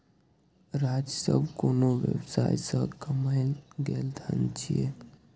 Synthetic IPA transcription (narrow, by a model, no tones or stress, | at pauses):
ɾad͡ʒəsə̰bʱkonoʋjə̰bsajsəbkəməjɡeld̪ʱənt͡ʃʰije